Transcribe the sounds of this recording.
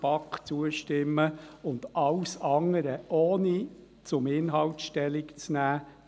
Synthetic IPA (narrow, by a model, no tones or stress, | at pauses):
pɑkχt͡suəʃtɪmːəʊnd̥̪ʔɑwsɑŋːəɾəʔoːni | t͡sʊmɪnɦɑltʃtɛlɪkt͡snæː